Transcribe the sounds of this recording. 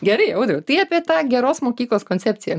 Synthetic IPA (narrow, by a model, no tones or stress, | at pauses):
ɡʲɛɾɐɪɐʊd̪ɾʲʊt̪ɐɪɑːpʲiɛt̪ɑːɡʲɛɾoːsmoːkʲiːklˠoːskoːnʲt͡sʲɛpʲt͡sʲɪjɛ